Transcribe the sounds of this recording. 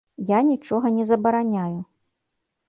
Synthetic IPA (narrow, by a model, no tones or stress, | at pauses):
janʲit͡ʂɔɣɐnʲɛzɐbɐɾanʲaju